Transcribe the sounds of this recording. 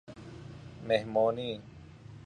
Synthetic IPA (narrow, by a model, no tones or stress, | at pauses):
meɦmoːniː